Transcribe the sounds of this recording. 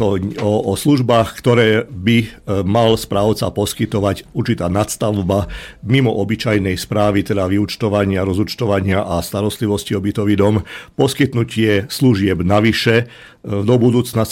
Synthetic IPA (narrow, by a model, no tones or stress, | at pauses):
ɔɔɔsluʒbaːxkt̪ɔɾɛːbimalspɾaːʊt͡sa̰pɔskit̪ɔʋaɟuɾt͡ʃit̪aːnat̪st̪aʊbamimɔʔɔbit͡ʃajnɛjspɾaːʋit̪ɛd̪aʋiut͡ʃt̪ɔʋaɲɪaɾɔzut͡ʃt̪ɔʋaɲɪaʔast̪aɾɔst̪liʋɔsciɔbit̪ɔʋid̪ɔmpɔskit̪nucɪɛsluʒɪɛbnaʋiʃɛ | d̪ɔbud̪uːt͡snas